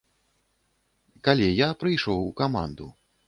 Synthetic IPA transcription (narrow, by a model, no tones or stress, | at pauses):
kalʲɛjapɾɨjʂɔwukama̰nd̪u